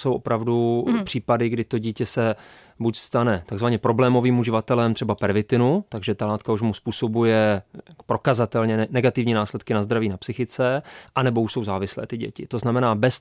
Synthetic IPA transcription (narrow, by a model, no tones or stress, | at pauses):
so̞wʔo̞pɾavdupr̝̥iːpadɪɡdɪt̪o̞ɟiːcɛsɛ | bucst̪anɛt̪aɡzvaɲɛpɾo̞blɛːmo̞viːmuʒɪvat̪ɛlɛmt̪r̥ɛbapɛɾvɪt̪ɪnut̪aɡʒɛt̪alaːt̪kauʃmuspuːso̞bujɛ̥pɾo̞kazat̪ɛlɲɛnɛɡat̪ɪvɲiːnaːslɛt̪kɪnazd̪ɾaviːnapsɪxɪt͡sɛʔanɛbo̞uʃso̞wzaːvɪslɛ̰ːt̪ɪɟɛ̰cɪt̪o̞znamɛnaːbɛs